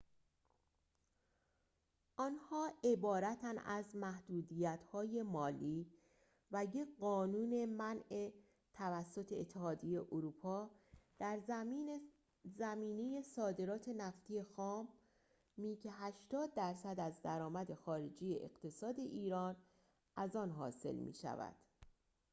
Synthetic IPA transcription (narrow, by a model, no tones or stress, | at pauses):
ʔɒnhɒːe̞bɒːɾæt̪ʰænæzmæhd̪̥uːd̪ijæt̪hɒːjemɒːliː | væjeɢɒːnuːne̞mæne | t̪ʰævæsːo̞t̪ʰe̞ːt̪ʰːe̞hɒːd̪ije̞ʔoɾupʰɒːd̪̥æɾ | zæmiːne̞je̞sɒːd̪e̞ɾɒːt̪ʰe̞næft̪ije̞xɒːmː | iːcʰeɦæʃt̪ɒːd̪̚ːæɾsæd̪æzd̪æɾɒːmæd̪e̞xɒːɾe̞d͡ʒiːjeʔḛɢ̥t̪ʰe̞sɒːd̪e̞ʔiːɾɒːn | ʔæzɒːnɦɒ̰ːse̞̰lmḭːʃæ̰væ̰d̪̥